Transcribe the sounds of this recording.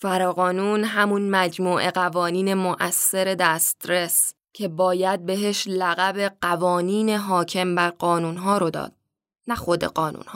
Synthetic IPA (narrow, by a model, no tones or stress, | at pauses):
fæɾɒːɣɒːnuːnɦæmunmæd͡ʒmuːʔe̞ɢævɒːniːne̞moʔæsːe̞ɾe̞d̪æst̪ɾe̞s | cʰe̞bɒːjæd̪̚be̞ɦe̞ʃlæɣæbe̞ɢ̥ævɒːniːneɦɒːcʰe̞mbæɾɢɒːnuːnɦɒːɾo̞d̪ɒ̰ːd̪̥̚ | næxo̞d̪e̞̰ɢɒːnṵːnhɒː